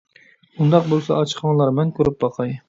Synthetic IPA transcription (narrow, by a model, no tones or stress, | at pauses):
und̪ɑq̚bolˠsɑɑt͡ʃʰqʰɑŋlˠɑɾmɛnkʲʰøɾyp̚bɑqʰɑj